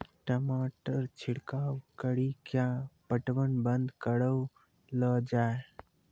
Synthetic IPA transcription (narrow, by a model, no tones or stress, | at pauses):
ʈəmaːʈəɾt͡ʃʰɪɽkaːwkəɽikjapəʈʋənbənd̪kəɽəw | ləd͡ʒaːe